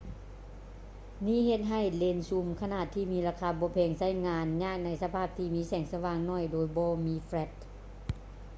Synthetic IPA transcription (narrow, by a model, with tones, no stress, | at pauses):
niː˧˥˨ɦe˧˩t̪̚ɦa˧˩jle˧nsu˧˩mkʰa˧naː˧˩t̪ʰːiː˧˩miː˧˥laː˧kʰaː˧bɔː˧˦pʰɛː˧˩ŋsa˧˥˩jŋaː˧nɲaː˧˥˩k̚na˧˥jsa˧pʰaː˥˩p̚t̪ʰiː˧miː˧˥sɛː˨˩ŋsa˧waː˧ŋnɔː˧˥˩jdoː˧˦jbɔː˧˦miː˧˥flɛ˧˩t̪̚